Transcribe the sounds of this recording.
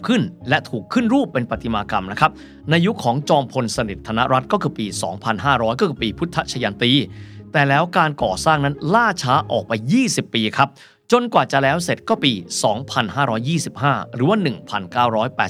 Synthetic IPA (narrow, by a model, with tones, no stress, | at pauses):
kʰɯ˥˩nlɛ˦˥ʔt̪ʰuː˨˩kʰːɯ˥˩nɾuː˥˩pːe˧npa˨t̪ʰːi˧maː˧ka˧mna˦˥kʰa˦˥p̚ | na˧jːu˦˥kʰɔː˩˦ŋt͡ɕɔː˧mpʰo˧nsa˧ni˨˩t̪ʰːa˧na˦˥ʔɾa˦˥t̪̚kɔː˥˩kʰɯː˧piː˧sɔː˩˦ŋpʰa˧nɦaː˥˩ɾɔː˦˥jkɔː˥˩kʰɯː˧piː˧pʰu˦˥t̪ʰːa˦˥t̪t͡ɕʰa˧jaː˧nt̪iː˧t̪ɛː˨˩lɛː˦˥wkaː˧nkɔː˨˩saː˥˩ŋna˦˥nlaː˥˩t͡ɕʰaː˦˥ʔɔː˨˩k̚pa˧jːiː˥˩si˨˩pːiː˧kʰa˦˥p̚ | t͡ɕo˧nkwaː˨˩t͡ɕa˨˩lɛː˦˥wse˨˩t̪̚kɔː˥˩piː˧sɔː˩˦ŋpʰa˧nɦaː˥˩ɾɔː˦˥jːiː˥˩si˨˩p̚ɦaː˥˩ɾɯː˩˦waː˥˩nɯ˨˩ŋpʰa˧nkaː˥˩wɾɔː˦˥jpɛː˨˩